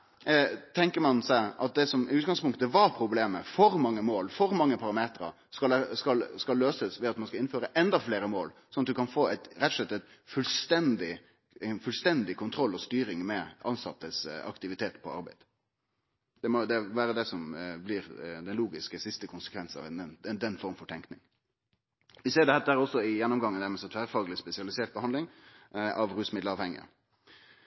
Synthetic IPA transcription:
t̪ʰɛŋkəɾmɑnsæɪʔɑt̪̚d̪ɛsɔmɪʉːt̪̚ɡɑŋspʊŋkt̪əʋɑɾpʰɾʊbleːməfɔɾmɑŋːəmoːlfɔɾmɑŋːəpʰɑɾɑmeːt̪ɾɑ̰ | skɑlɛskɑlskɑlːøːsəsʋɛɑt̪mɑnskɑɪnføːɾəʔɛnd̪ɑfleːɾəmoːlsɔnɑt̪d̪ʉkʰɑnfoːæɪt̪ɾɛt̪ːɔ̥ʂlɛt̪ːæɪt̪fʉlst̪ɛnd̪ɪ | nfʉlst̪ɛnd̪ɪkʰʊnt̪ʰɾɔlːɔst̪yːɾɪŋmɛɑnsɑt̪ːəsɑ̰kt̪ɪʋɪt̪ʰeːt̪pʰɔɑ̰ɾbæ̰ɪd̪̥ | d̪̥ɛmɔd̪ɛʋæːɾəd̪ɛsɔmblɪɾd̪ɛnluːɡɪskəsɪst̪əkʰʊnsə̥kʰʋɛnsnɑ̰ɛnd̪ɛnːfɔɾmfɔʈ̪ʰɛŋknɪŋ | ʋɪseːɖɛhæːt̪d̪æːɾɔsːɔɪjɛnːɔmɡɑŋːənd̪æɾmɛsɛt̪ʰʋæːɾfɑːɡlɪspɛsɪɑlɪseːʈ̚bəhɑnd̪ɪŋʔɑʋɾʉːsmɪd̪lɑːʋhɛŋːɪ̰ə̰

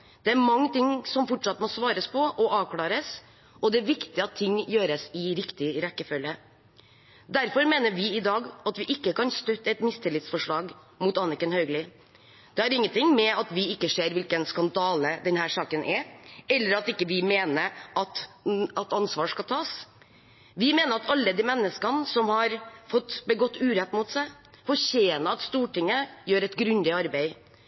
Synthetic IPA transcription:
d̪̥ɛæɾmɑŋːət̪ɪŋsɔmfɔʈʂɑt̪ːmɔsʋɑːɾəspʰɔʔɔʔɑːʋkʰlɑːɾəs | ʔɔd̪ɛæɾʋɪkt̪ɪɑt̪ʰːɪŋːjøːɾəsɪɾɪkt̪ɪɾɛkːəfœlːə | d̪æɾfɔɾmeːnəʋɪɪd̪ɑːɡɑt̪ʋɪʔɪkːəkɑnst̪œt̪ːɛt̪mɪst̪ʰɪlɪt̪sfɔʂɭɑːɡ | muːt̪ɑnɪkənhœʏɡlɪ | d̪̥ɛɑɾɪŋːənt̪ɪŋmɛɑt̪ʋɪɪkːəʂeːɾʋɪlkənskɑnd̪ɑːləd̪ɛnhæːʂɑːkənʔɛɛlːəɾɑt̪ɪkːəʋɪmeːnəɾʔɑt̪ɑt̪ɑnsʋɑːʂkɑlt̪ʰɑːs | ʋɪmeːnəɾɑt̪ɑlːəd̪iːmɛnːəskɑnsɔmhɑɾfɔt̪ːbəɡɔt̪ːʉːɾɛt̪ːmuːt̪sæɪ | fɔçeːnəɑt̪st̪uːʈɪŋːəjøːɾɛɪt̪ɡɾʉnd̪ɪɑɾbɛɪ

